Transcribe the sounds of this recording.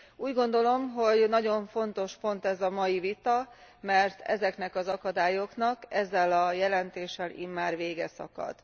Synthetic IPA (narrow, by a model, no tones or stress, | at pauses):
uːɟɡo̞nd̪o̞lo̞mɦo̞ɟnɒɟo̞ɱfo̞nt̪o̞ʃpo̞nt̪ɛzɒmɒjivit̪ɒmɛrt̪ʰɛ̰zɛknɛkɒzɒkɒd̪aːjo̞knɒkɛzːɛlɒjɛlɛnt̪eːʃːɛlʔḭmːaːrʋeːɡɛsɒ̰kɒ̰d̪̥